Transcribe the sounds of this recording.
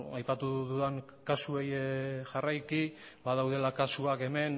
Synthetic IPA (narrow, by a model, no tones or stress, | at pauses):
ajpat̪uðuðaŋ | kasue̞jeʝarajki | baðawðe̞lakasuake̞me̞n